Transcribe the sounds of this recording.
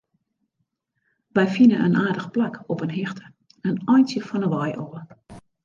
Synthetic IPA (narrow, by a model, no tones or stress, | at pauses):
ʋɛjfinənʔə̰nʔaːdəxplakɔpənɦixtʰə̥ | ənɔjnsjəfɔnəʋɔjʔoə